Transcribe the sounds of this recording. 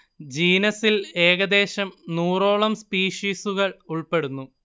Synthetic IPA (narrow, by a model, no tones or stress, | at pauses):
d͡ʑiːnɐsile̞ːɣɐd̪e̞ːɕɐmnuːro̞ːɭɐmspiːʂiːsuɣɐɭuɭpe̞ɽunːu